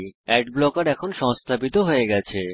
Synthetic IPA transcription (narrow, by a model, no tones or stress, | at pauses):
ɛɖblɔkaɾɛkʰonʃɔŋst̪ʰabit̪oɦoeɡɛt͡ɕʰe